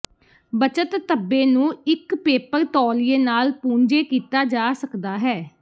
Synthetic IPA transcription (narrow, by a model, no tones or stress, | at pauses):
bət͡ʃət̪ːəbːeːnũːɪkpeːpəɾt̪ɔːlɪeːnaːlpũːɲd͡ʒeːkiːt̪aːd͡ʒaːsəkd̪aːɦɛː